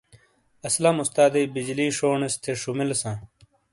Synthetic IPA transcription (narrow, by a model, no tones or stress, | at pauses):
ɐslɐmust̪aːd̪eːbid͡ʑliːʂoːɳest̪ʰeʂumilsãː